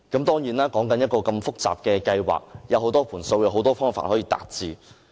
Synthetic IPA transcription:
kɐ˨˥mt̪ɔː˥ŋjiː˨˥naː˥kɔː˨˥ŋkɐ˨˥njɐ˥t̚kɔː˧kɐ˧mfʊ˥k̚t͡sa̰ː˨p̚kɛː˧kɐ˧jwa̰ː˨k̚jɐ˨˧wɦo˨˥wt̪ɔː˥pʰuː˨˩nso˧wjɐ˧wɦo˨˥wt̪ɔː˥fɔː˥ŋfa̰ː˨nhɔː˨˥jiː˧t̪a̰ː˨t̚t͡siː˨˧

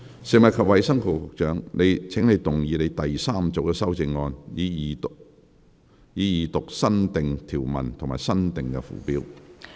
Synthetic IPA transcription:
sɪ˨ŋmɐ˨t̚kʰɐ˨p̚wɐ˨˧jsɐ˥ŋkʰʊ˨˩kʊ˧k̚t͡ʃœː˨˥ŋne˨˧jt͡sʰɪ˨˥ŋne˨˧jt̪ʊ˨˩ŋjiː˨˧le˨˧jt̪ɐ˨jsaː˥mt͡so˨˥wkɛː˧sɐ˥wt͡sɪ˧ŋːɔː˧njiː˨˧˨ | jiː˨˧jiː˨˧t̪ʊ˨k̚sɐ˥nt̪ɪ˨ŋt̪ʰiː˨˩wmɐ̰˨˩nt̪ʰʊ˨˩ŋma̰ː˨jsɐ˥nt̪ɪ˨ŋkɛ̰˧fṵː˨˩piː˧˥w

